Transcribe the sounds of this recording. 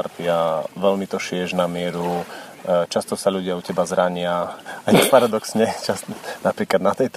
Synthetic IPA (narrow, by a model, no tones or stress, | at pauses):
ɾt̪iaʋɛʎmit̪ɔʃɪɛʒnamɪɛɾu | t͡ʃast̪ɔsaʎuɟɪaucɛbazɾaɲɪaajixpaɾad̪ɔksɲɛt͡ʃanapɾiːklad̪nat̪ɛjt̪